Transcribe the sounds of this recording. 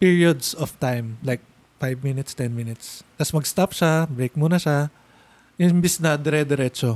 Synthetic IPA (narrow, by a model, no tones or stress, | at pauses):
piɹiod̪sɔft̪ajmlajk̚ | fajvminɪt̪st̪ɛnminɪt̪st̪ɐsmɐɡst̪apʃabɹejk̚muːnɐʃa | ʔɪmbɪsnɐd̪ɛɾɛd̪ɛɾɛt͡ʃo